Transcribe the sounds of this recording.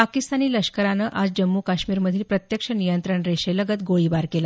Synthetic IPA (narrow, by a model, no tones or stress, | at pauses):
pakist̪aniːləɕkəɾanəːʔad͡zd͡ʑəmːukaɕmiːɾməd̪ʱiːlpɾət̪jəkʂənijənt̪ɾəɳɾeɕeləɡət̪ɡoɭiːbaɾkela